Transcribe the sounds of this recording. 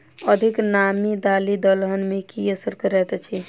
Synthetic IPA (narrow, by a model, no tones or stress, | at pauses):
əd̪ʱiknamid̪alid̪əlɦənmekiəsəɾkəɾɛt̪t͡ʃʰi